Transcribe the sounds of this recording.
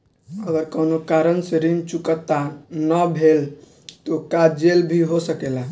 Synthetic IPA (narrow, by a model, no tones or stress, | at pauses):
əɡəɾkənokaɾənseɾimt͡ʃukət̪ːanəbʱel | t̪okad͡ʒelbʱiɦosəkela